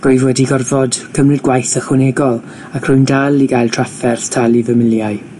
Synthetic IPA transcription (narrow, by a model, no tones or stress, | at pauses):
ɡ̥ojðwɛdiɡɔrvɔd̥kʰəmrɨdɡwajθəχwɪnɛɡɔlˠ | akʰr̥ʊjndalˠiɡajlˠtʰr̥afɛrθtʰalˠivəmɪlˠjaɨ